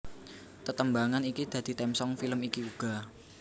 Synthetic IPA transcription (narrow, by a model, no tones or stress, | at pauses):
t̪ət̪əmbaŋanikid̪̥ä̤d̪̥i̤t̪ɛmsɔŋfiləmikiuɡ̥a̤